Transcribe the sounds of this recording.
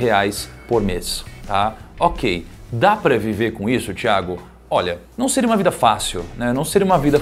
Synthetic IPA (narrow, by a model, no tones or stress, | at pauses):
ɦeajspoɾmest̪aokejd̪apɾɐviveɾkõisʊt͡ʃiaɡʊ | ɔʎɐnɐ̃w̃seɾiũmɐvid̪ɐfasiwnɛnɐ̃w̃seɾiũmɐvid̪ɐ